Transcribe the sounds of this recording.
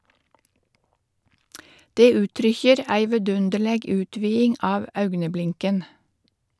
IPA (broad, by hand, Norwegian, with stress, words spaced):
ˈdeː ˈʉːtɾʏçəɾ ˈæɪ ʋɛˈdʉndəɭeːɡ ˈʉːtʋiːɪŋ ˈɑːʋ ˈɑʉɡnəˌblɪŋkən